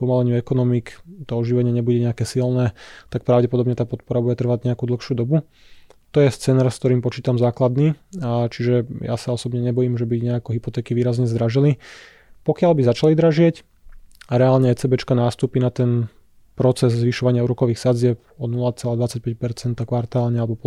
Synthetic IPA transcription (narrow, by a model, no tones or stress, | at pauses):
pɔmalɛɲɪuɛkɔnɔmikt̪ɔɔʒiʋɛɲɪɛɲɛbuɟɛɲɛakɛːsilnɛːt̪ak̚pɾaʊɟɛpɔd̪ɔbɲɛt̪aːpɔt̪̚pɔɾabuɟɛt̪r̩ʋaɟɲɛakud̪l̩ˠxʃuːd̪ɔbu | t̪ɔjɛst͡sɛːnaːɾskt̪ɔɾiːmpɔt͡ʃiːt̪amzaːklad̪niːt͡ʃiʒɛja̰saɔsɔbɲɛɲɛbɔjiːmʒɛbiɲɛakɔɦipɔt̪ɛːkiʋiːɾazɲɛzd̪ɾaʒili | pɔkɪalbizat͡ʃalid̪ɾaʒɪɛc | aɾɛaːlɲɛɛt͡sɛbɛt͡ʃkanaːst̪uːpinat̪ɛn | pɾɔt͡sɛzzʋiʃɔʋaɲɪauːɾɔkɔʋiːxsad͡zɪɛp̚ɔnulat͡sɛlaːd̪ʋat͡sac̚pɛc̚pɛɾt͡sɛnt̪akʋaɾt̪aːlɲɛalɛbɔpɔ